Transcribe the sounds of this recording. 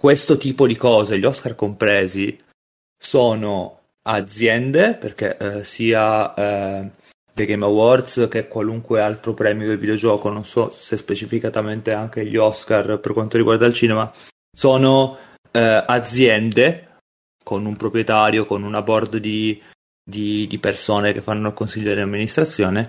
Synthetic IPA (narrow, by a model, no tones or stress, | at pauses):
kwest̪ot̪iːpod̪ikɔːzeʎiɔskarkompɾeːzi | soːno | ad̪zjɛnd̪eperk̟ḛsiːa | d̪eɡejmawɔrd̪sk̟ekwaluŋkwealt̪ɾopɾɛːmjod̪elvid̪eod͡ʒɔːkononsɔsespet͡ʃifikat̪ament̪eaŋk̟eʎiɔskarperkwant̪oɾiɡward̪ailt͡ʃiːnema | soːno | ad̪zːjɛnd̪e | konumpɾopɾjet̪aːɾjokonunabɔrd̪d̪i | d̪id̪ipersoːnek̟efːanːoalkonsiʎːod̪lamːinist̪ɾat̪sːjoːne